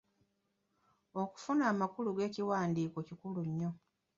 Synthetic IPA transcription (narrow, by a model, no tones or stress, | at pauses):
o̞ku̥funaːmakuluɡe̞ːciwaːndiːko̞cikuluɲːo̞